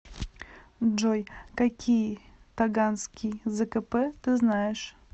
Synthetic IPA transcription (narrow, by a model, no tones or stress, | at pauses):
ʐojkakʲʰij | t̪aɡanskʲijzɛkəpɛt̪ɨznajɪʂ